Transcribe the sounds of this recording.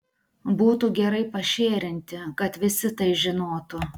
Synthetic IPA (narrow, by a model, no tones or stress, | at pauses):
buːt̪uɡʲɛɾɐɪpɐʃʲeːɾʲɪnʲt̪ʲɪkɐt̪ʋʲɪsʲɪt̪ɐɪʒʲɪnoːt̪ʊ